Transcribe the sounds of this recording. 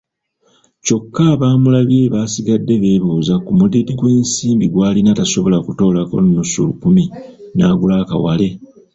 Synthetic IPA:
co̞kːaβaːmulaβje̞βaːsiɡadːe̞βe̞ːβuːzakumudidiɡwe̞ːnsiːmbiɡwaːlinataso̞βo̞lakuto̞ːlako̞̰nːusṵlukuminaːɡulaːka̰wa̰le̞

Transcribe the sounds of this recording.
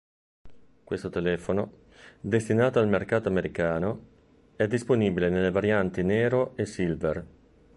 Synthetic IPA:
kwest̪ot̪elɛːfono | d̪est̪inaːt̪oalmerkaːt̪oameɾikaːno | ɛd̪ːisponiːbilenelːevaɾjant̪inɛːɾoesilver

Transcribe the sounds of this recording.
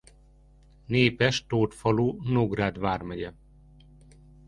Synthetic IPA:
neːpɛʃt̪oːt̪fɒloːnoɡraːd̪ʋaːrmɛɟɛ

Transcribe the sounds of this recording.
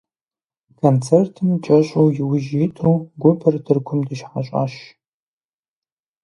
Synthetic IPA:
kʰont͡sʰertʰɨmt͡ʃʼɐɕʷʼowjɪwʊʒitʰuwɡʷʊpʰɐrdʰɨrkʷʰʊmdɨʃħaɕʼa̰ɕ

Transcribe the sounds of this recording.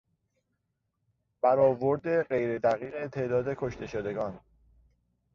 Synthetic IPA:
b̥æɾɒːvoɾd̪e̞ɢe̞jɾe̞d̪æɣiːɣe̞t̪ʰe̞ːʔd̪ɒːd̪e̞kʰo̞ʃt̪e̞ʃod̪e̞ɡɒːn

